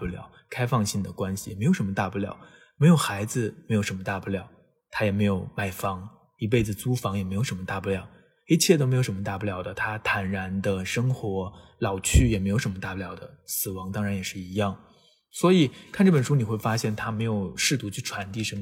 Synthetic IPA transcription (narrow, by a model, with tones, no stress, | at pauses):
pu˥˩ljɑ̰˨˩˦ʊkʰa˥ɪfɑ˥˧ŋɕi˥˩ŋd̪ə˩kwa˥nɕi˨jɛ̰˨˩me˧˥ɪjʂmə˧t̪a˥˧˩pu˥˩ljɑ̰˨˩˦ʊ | me˧˥ɪjo˨˩ʊxa˧˥ɪd͡zɹ̩˧me˧˥ɪjo˨˩ʊʂə˧˥mə˧t̪a˥˧pu˥˩ljɑ˨˩ʊ | t̪ʰa˥jɛ˨˩me˧˥ɪjo˨˩ʊma˥˩ɪfɑ˥ŋ | i˧˥p̬e˥˩ɪd͡zɹ̩˩t͡su˥fɑ˧˥ŋjɛ˨˩me˧˥ɪjʊʂə˧˥mə˧t̪a˥˧pu˥˩ljɑ˨˩˦ʊ | e˥t͡ɕʰjɛ˥˩t̪o˥me˧˥ɪjʂmə˧t̪a˥˩pu˥˩ljɑ˨˩ʊd̪ə˩t̪ʰa˥t̪ʰa˨˩nɻa˧˥nd̪ə˧ʂɤ˥ŋxwɔ˧˥lɑ˨˩ʊt͡ɕʰy˥˩jɛ˨˩me˧˥ɪjo˨˩ʊʂə˧˥nmə˧t̪a˥˩pu˥˩ljɑ˨˩ʊd̪ə˦sɹ̩˨˩wɑ˧˥ŋt̪ɑ˥ŋɻa˧˥njɛ˨˩ʂɻ̩˥˩i˧˥jɑ˥˩ŋ | swɔ˧˥i˨˩kʰa˥˧nʈ͡ʂɤ˥˩pə˨˩nʂu˥ni˨˩xwe˥˩ɪfa˥ɕjɛ˥˩nt̪ʰa˥me˧˥ɪjo˨˩ʊʂɻ̩˥˩t̪u˧˥t͡ɕʰy˥˩ʈ͡ʂʰwa˧˥nt̪i˥˩ʂə˥ŋ